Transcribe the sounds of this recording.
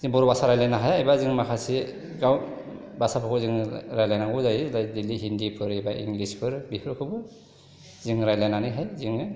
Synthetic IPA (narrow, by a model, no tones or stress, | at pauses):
ziŋbɔɾubasaɾajlanaɦajajbaziŋmakʰasi | ɡaw | basapʰɯkʰuziŋɾajlajnaŋɡuzajlajdilːiɦindipʰɯɾajbaʔḭŋɡlispʰɯɾbipʰɯɾkʰɯbɯ | ziŋɾajlajnanɯjɦajziŋ